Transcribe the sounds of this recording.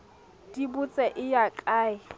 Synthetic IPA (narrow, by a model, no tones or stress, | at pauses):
dibʊt͡sʼɛʔɪjakʼaːɪ